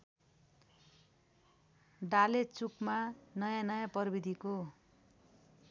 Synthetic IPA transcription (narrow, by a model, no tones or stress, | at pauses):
ɖalet͡sukmanʌjãnʌjãpʌrbid̪ʱiko